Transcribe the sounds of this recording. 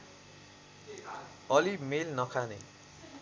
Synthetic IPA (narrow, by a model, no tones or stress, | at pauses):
ʌlimelnʌkʰanḛ